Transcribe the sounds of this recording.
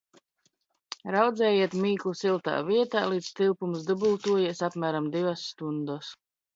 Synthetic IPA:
ɾawd̪zɛːjiɛt̪miːklˠusilˠt̪a̰ːviɛt̪aːlˠiːd̪st̪ilˠpumsd̪ɨbulˠt̪uɔjiɛsapmæːɾamd̪ivasːt̪und̪ɔs

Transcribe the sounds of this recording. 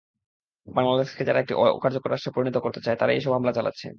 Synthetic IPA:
baŋlad̪eʃked͡ʑaɾaek̚ʈiʔkaɾd͡ʑokoɾaʃʈɾopoɾinit̪okoɾt̪et͡ɕaet̪aɾaeʃɔbʱɦamlat͡ɕalʔa̰tːɕʰḛ

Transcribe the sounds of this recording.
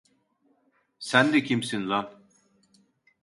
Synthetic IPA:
sænd̪ɛcʰimsinzan

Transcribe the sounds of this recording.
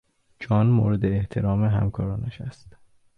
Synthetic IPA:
d͡ʒɒːnmo̰ːɾed̪e̞ːht̪ʰe̞ɾɒːmeɦæ̰mkʰɒːɾɒːnæʃæst̪

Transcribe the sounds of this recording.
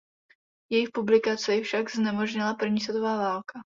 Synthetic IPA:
jɛjɪxpublɪkat͡sɛfʃaɡznɛmoʒɲɪlapr̩vɲiːsvɛt̪ovaːvaːlkʰa

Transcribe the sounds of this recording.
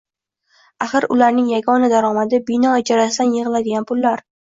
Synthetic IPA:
aχɨɾʊ̰laɾnɪŋjaɡɒnad̪aɾɒmad̪ɪbɪnɒɪd͡ʒaɾasɪd̪anjɨʁɨlˠad̪ɪɡʲanpʰʊlːaɾ

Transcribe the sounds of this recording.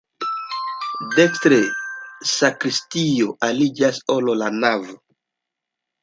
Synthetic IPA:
dekstɾesakɾistio̞ʔalid͡ʒasololanavo

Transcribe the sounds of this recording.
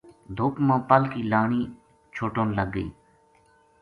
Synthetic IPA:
d̪ʱʊːkmãːpəlkiːlaːɳiː | t͡ʃʰoːʈõːnləɡːəḭː

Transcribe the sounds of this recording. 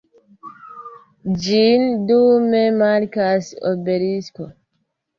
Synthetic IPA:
d͡ʒindumemaɾkasobeɾisko

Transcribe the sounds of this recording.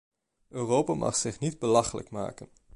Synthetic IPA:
øːrowpaːmʔɑ̰χsɪχnidbəlɑχələ̰kma̰ːkən

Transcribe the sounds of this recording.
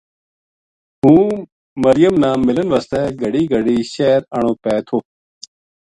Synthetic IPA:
ɦũː | məɾɪjəmnãːmɪlənʋəst̪ɛːɡʱəɽiːɡʱəɽiːʃɛːɾəɳ̃õːpɛːt̪ʰoː

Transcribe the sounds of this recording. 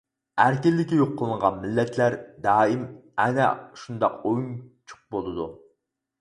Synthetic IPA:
æɾkʲilːɪkʲijoqʰːəlˠɨɴʁɑnmɪlːɛt̪ʰlæɾd̪ɑːɪmɛnɛʃund̪ɑqojunt͡ʃʰʊ̥q̚bolˠɨd̪u

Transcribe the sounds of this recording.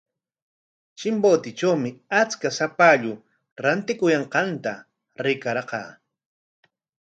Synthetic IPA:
t͡ʃɪmboːt̪ɪt͡ʃawmɪat͡skasapaʎʊ | ɾant̪ɪkʊjɑɴqɑnt̪a | ɾɪkaɾqɑ̰ː

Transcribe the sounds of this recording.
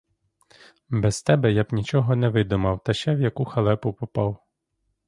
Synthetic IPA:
bɛzt̪ɛbɛjabnʲit͡ʃɔɦɔnɛʋɪd̪ʊmɐwt̪ɐʃɛwjɐkuxɐlˠɛpʊpɔpɑw

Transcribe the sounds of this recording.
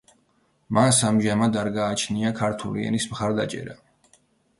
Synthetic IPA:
mansamʒamad̪aɾɡaːt͡ʃʰniakʰaɾt̪ʰuliɛ̰nismχaɾd̪at͡ʃʼɛ̰ɾa

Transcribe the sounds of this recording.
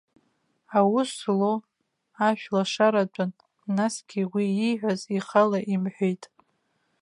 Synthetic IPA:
awʊslo | aʃᶣlaʂaɾat͡ʃʷʼanː | asɡ̥ʲiwiiħʷᶣaziχalaʔimħʷᶣejtʼ

